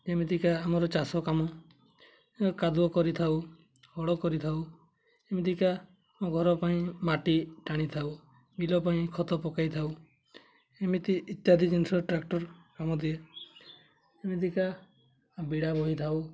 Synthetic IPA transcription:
d͡ʒemid̪ikaːmɔɾɔt͡ʃasɔkamɔ | kad̪uɔkɔɾit̪ʰaw | hɔɽɔkɔɾit̪ʰaw | emid̪ika | moɡʱɔɾɔpaĩmaʈiʈaɽ̃it̪ʰaw | ɡilɔpaĩkʰɔt̪ɔpɔkajt̪ʰaw | emit̪iʔːt̪jad̪id͡ʒinsɔɾʈɾak̚ʈɔɾkamɔd̪ie | emit̪ika | biɽabɔɦit̪ʰaw

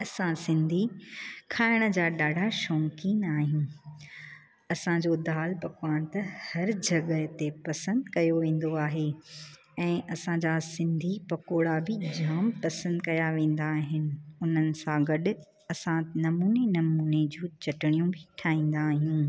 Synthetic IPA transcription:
ɐsãsɪ̃nd̪ʱikʰaːɪɽ̃ə̆d͡ʑaːɗaːɖʱaʃɔːŋkiːnaːɦijũː | ɐsãd͡ʑoːd̪aːlpɐkwaːɽ̃t̪ɐhɐɾd͡ʑɐɠət̪epɐsə̃nd̪kɐjoʋẽːn̆d̪oaːɦe | ɛ̃ːʔɐsãd͡ʑasɪ̃nd̪ʱipɐkoːɽabɪd͡ʑaːmpɐsə̃nd̪kɐjaʋẽːn̆d̪aːɦɪnɪ̆ʊn̤ənɪ̆sãɡɐɗʊ̆ | ɐsãnɐmuːnenɐmuːned͡ʑũːt͡ɕɐʈɪɽ̃ijũbʱɪʈʰaːĩːn̆d̪aːɦijũː

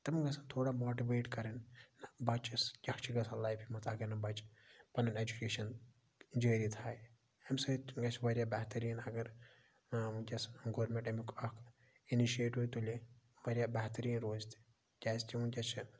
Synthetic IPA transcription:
t̪ɨmɡɐsɐnt̪ʰoːɽamoːʈiʋeːʈkɐɾɐnːɐbɐt͡ʃʰisjʲɐkʰt͡ʃʰiɡɐsalajpʰimɐt̪ʰɐɡɐɾnɐbɐt͡ʃpɐnɐned͡ʒukeːʃɐn | d͡ʒəːɾit̪ʰaːj | ɐmsɐɡɐt͡ʃʰʋɐɾjabɛɦt̪ɐɾiːnɐɡɐɾ | ukʲɐsɡoːɾmẽɳʈemikɐkʰ | iniʃieːʈɦujt̪ulʲi | ʋɐɾʲjabɛːt̪ɐɾiːnɾoːzt̪ʰi̥ | d͡ʒʲaːst͡ʃ̪ʲiunkʲɐt͡ʃʰi

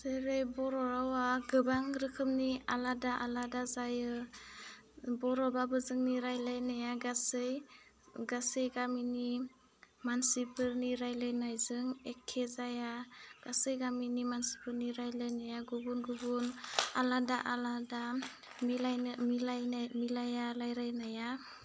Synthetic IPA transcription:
seɾejbɔɾɔɾawaɡɯbaŋɾɯkʰɯmnialadaʔaladazajɯ | bɔɾɔbabɯzɯŋniɾajlajnajaɡasɯj | ɡasɯjɡamini | mansipʰɯɾniɾajlajnajzɯŋekʰːezajaɡ̥asɯjɡaminimansi̥pɯɾniɾajlajnajaɡuɡunɡubunaladaʔalada | mlajmilajmilajalajɾajnaja

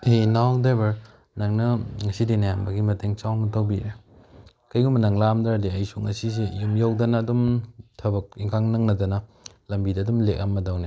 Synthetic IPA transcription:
enawdebɐɾ | nɐŋnɐŋɐsidinɐjambɐɡimɐteŋt͡ʃawmɐtɐwbiɾe | kɐjumbɐnɐŋlamdaɾdiɐjsuŋɐ̰sisejumjawdɐnɐːdumtʰɐbɐk̚iŋkʰaŋnɐŋnɐdɐnɐ | lɐmbidɐːdumlek̚ɐmːɐdawne

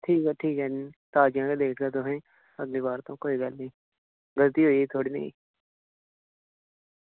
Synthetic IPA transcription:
ʈʰiːkɛːʈʰiːkɛːnit̪aːd͡ʒjãːkeːd̪eːkʰd̪aːt̪ʊɦẽː | əɡliːbaːɾt̪õːkoːiːɡəlnĩː | ɡəlt̪iːɦoːiːeːt̪ʰoːɽiːnḛḭ̃ː

